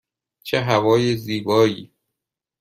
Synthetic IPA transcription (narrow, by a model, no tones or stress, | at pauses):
t͡ʃʰeɦævɒːjeziːbɒːjiː